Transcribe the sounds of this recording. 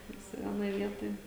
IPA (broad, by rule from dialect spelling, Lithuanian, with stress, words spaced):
ˈʋʲɪsʲɪ ˈʋʲiɛnoːj ˈʋʲiɛtoːj